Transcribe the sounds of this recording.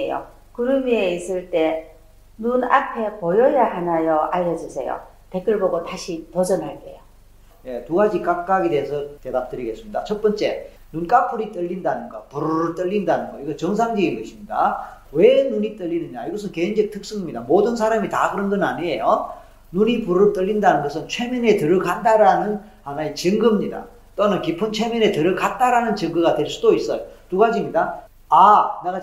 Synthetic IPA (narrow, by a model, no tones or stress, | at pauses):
ejo̰ | kɯɾɯmieis͈ɯɭt͈e̞ | nuna̰pʰe̞pojʌjaɦanajʌʔaʎːʌd͡ʑusʰe̞̰jo̰ | te̞k͈ʰɯɭboɡotaɕʰipod͡ʑʌnɦaɭk͈ḛjo | je̞tuɡad͡ʑikak͈aɡedeesʰʌte̞dap̚t͈ɯɾiɡe̞ts͈ɯmɲidat͡ɕʰʌt̚p͈ʌnt͡ɕ͈e̞ | nunk͈apʰuɾit͈ɯʎːindanɯnɡʌpuɾt͈ɯʎːindanɯnɡʌiɡʌt͡ɕʌŋs̬ʰaŋd͡ʑeinɡʌɕʰimɲida̰ | we̞nuɲit͈ɯʎːinɯɲaiɡʌs̬ʰɯnkeind͡ʑʌk̚tʰɯk̚s͈ɯŋimɲidamodɯnsʰaɾamitakɯɾʌnɡʌnaɲiejo | nuɲipuɾɯɭt͈ʌʎːindanɯnɡʌsʰɯnt͡ɕʰwe̞mjʌne̞tɯɾɯɭkandaɾanɯn | hanaet͡ɕɯŋɡɯmɲida̰ | t͈onɯnkipʰɯnt͡ɕʰe̞mjʌnetɯɾɯɭkʰant͈aɾanɯnt͡ɕɯŋɡɯɡatwe̞ɭs͈udois͈ʌjotuɡad͡ʑimɲida | aneɡa